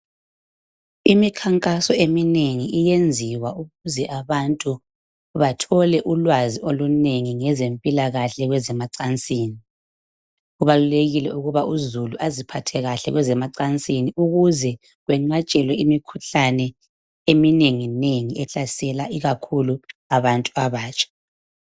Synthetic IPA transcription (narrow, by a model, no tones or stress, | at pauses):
imikʰaŋkʼasɔemineŋiʔijend͡zʱiwauɣuzɛʔaβantʼu | βatʰɔlɛʔulwaziʔoluneŋiŋɛzempʼilaɣaɬɛɣwɛzɛmaǀant͡sʼiːni | uβaluleɣilɛuɣuβaʔuzuluʔazipʰatʰɛɣaɬɛ̰ɣwɛzɛmaǀant͡sʼiniʔuɣuzɛ | ɣwɛŋ͡ǀat͡ʃʼɛlwɛimikʰuɬanɛ | emineŋineŋiɛɬasɛlaʔiɣakʰuluaβantʼuaβaːt͡ʃʰʼḁ